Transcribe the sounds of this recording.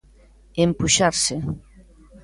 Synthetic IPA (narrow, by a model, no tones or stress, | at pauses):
empuʃaɾse